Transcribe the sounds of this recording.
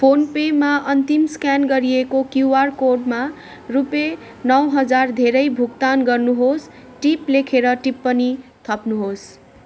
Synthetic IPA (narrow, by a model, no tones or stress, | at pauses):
pʰonpemaʔʌnt̪imskanɡʌɾiekokjuwarkoɖma | rupe | nʌwɦʌd͡zard̪ʱeɾʌjbʱuk̚t̪anɡʌrnuɦos | ʈiplekʰeɾʌʈipːʌnit̪ʰʌpnuɦos